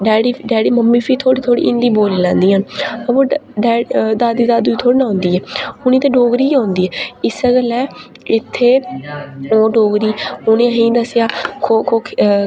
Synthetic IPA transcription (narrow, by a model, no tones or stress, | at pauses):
ɖɛːɽiːɖɛːɽiːməmːiːpʰiːt̪ʰoːɽiːt̪ʰoːɽḭːʔɪnd̪iːboːliːlãːnd̪iːənəbõːɖɛːd̪aːd̪iːd̪aːd̪uːiːt̪ʰoːɽiːnãːnd̪iːɛːʊnĩːt̪ẽːɖoːɡɾiːãːnd̪iːɛːɪsəɡəlɛː | ɪt̪ʰːeː | oːɖoːɡɾiːʊnẽːəɦĩːd̪əsjaːkʰoːkʰoːk